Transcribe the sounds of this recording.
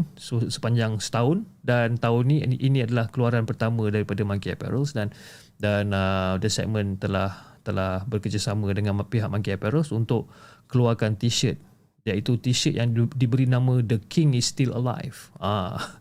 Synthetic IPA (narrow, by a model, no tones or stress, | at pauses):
səsə̥paɲd͡ʒaŋsə̥t̪aʊn | dant̪aʊnːĩʔinĩadalahkəluaɾanpərt̪amə̃daɾipadamãŋkiapɛ̰ɾəlsdan | danədəsɛ̰ʔ̚mə̃nt̪əlaht̪əlahbərkərd͡ʒasamə̃dəŋãnpiɦaʔ̚mãŋkiapɛɾəlsunt̪ʊʔkəluarkant̪iʃət̪̚ | jait̪ut̪iʃət̪̚jaŋdibəɾinãmə̃dəkʰiŋisːt̪ilə̰la̰jfa